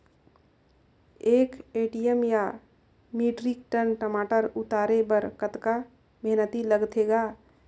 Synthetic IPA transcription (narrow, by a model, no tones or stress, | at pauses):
ekeʈijəmja | miʈɾikʈənʈəmaʈəɾut̪aɾebəɾkət̪ka | meɦnət̪iləɡt̪ʰeɡa